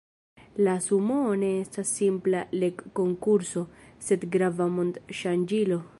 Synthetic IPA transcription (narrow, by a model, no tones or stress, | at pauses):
lasumone̞e̞stasːimplalekːo̞ŋkuɾso̞se̞dɡɾavamond̪ʃand͡ʒilo̞